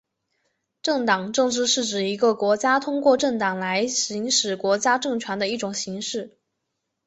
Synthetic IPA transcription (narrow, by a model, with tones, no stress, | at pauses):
ʈ͡ʂɤ˥˩ŋt̪ɑ˨˩ŋʈ͡ʂɤ˥˧ŋʈ͡ʂɻ̩˥˧ʂɻ̩˥˩ʈ͡ʂɻ̩˨˩i˧˥ɡə˧kwɔ˧˥t͡ɕja˥t̪ʰʊ˥ŋkwɔ˥˧ʈ͡ʂɤ˥˩ŋt̪ɑ˨˩ŋla˧˥ɪɕi˧˥ŋʂɻ̩˨˩kwɔ˧˥t͡ɕja˥ʈ͡ʂɤ˥˩ŋt͡ɕʰɥɛ˧˥nd̪ə˧i˥˩ʈ͡ʂʊ˨˩ŋɕi˧˥ŋʂɻ̩˥˩